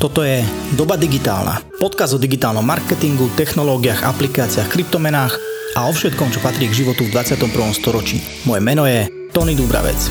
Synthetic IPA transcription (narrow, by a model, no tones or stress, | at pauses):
t̪ɔt̪ɔjɛd̪ɔbad̪iɡit̪a̰ːlna̰ | pɔt̪̚kazd̪ɔd̪iɡit̪aːlnɔmːaɾkɛt̪iŋɡut̪ɛxnɔlɔːɡiaɣa̰plikaːt͡siaxkɾip̚t̪ɔmɛnaːx | ʔaɔfʃɛt̪kɔmt͡ʃɔpat̪ɾiːɛɡʒiʋɔt̪uvd̪ʋat͡sɪat̪ɔmpr̩ʋɔmst̪ɔɾɔt͡ʃḭː | mɔjɛmɛnɔjɛ | t̪ɔnid̪ubɾa̰ʋɛ̰t͡s